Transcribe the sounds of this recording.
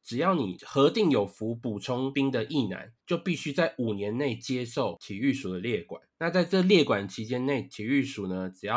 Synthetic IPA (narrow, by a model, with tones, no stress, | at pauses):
ʈ͡ʂɻ̩˨˩jɑ˥˩ʊnḭ˨˩xɤ˧˦t̪i˥˩ŋjo˨˩ʊfu˨˦pu˨˩ʈ͡ʂʰʊ˦˥ŋpi˥ŋd̪ə˨ʔi˥˨na̰˧˦nt͡ɕjo˥˧ʊpi˥˩ɕy˥t͡sa˥˩ɪʔu˨˩njɛ˨˧˦nne˥˩ɪt͡ɕjɛ˥ʂo˥˨ʊt̪ʰi˨˩y˥˩ʂu˨˩d̪ə˦ljɛ˥˩kwa̰˨˩˦nna˥˧t͡sa˥˧ɪt͡sɤ˥˧ljɛ˥˩kwa˨˩nt͡ɕʰi˧˥t͡ɕjɛ˥nne˥˩ɪt̪ʰi˨˦y˥˩ʂu˨˩nə˦ʈ͡ʂɻ̩˨˩jɑ˥˨